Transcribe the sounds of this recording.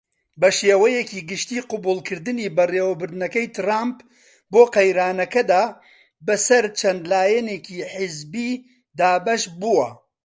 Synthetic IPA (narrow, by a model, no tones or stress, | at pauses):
bɐʃeːwɐjɛkiːɡɨʃt̪iːqʊbuːlkʰɨɾd̪ɨniːbɐreːwɐbɨɾd̪ɨnɐkɐjt̪ʰɨraːmp | boːqɐjɾaːnɐkɐd̪aː | bɐsɐɾt͡ʃʰɛnd̪laːjɛneːkiːħɨzbiː | d̪aːbɐʃbuwɐ